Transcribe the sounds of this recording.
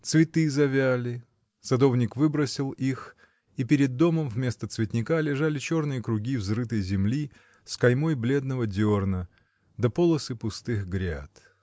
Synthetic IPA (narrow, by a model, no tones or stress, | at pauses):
t̪svʲɪt̪ɨzɐvʲælʲɪ | sɐd̪o̞vnʲɪkvɨbɾəsʲɪlˠix | ipʲɪɾʲɪd̪ːo̞məmvmʲe̞st̪ət̪svʲɪt̪ʲnʲɪkalʲɪʐalʲɪt͡ɕo̞rnɨjəkɾʊɡʲivzɾɨt̪əjzʲɪmlʲi | skɐjmo̞jblʲe̞d̪nəvədʲornə | d̪ɐpolˠəsɨpʊst̪ɨxɡɾʲa̰t̪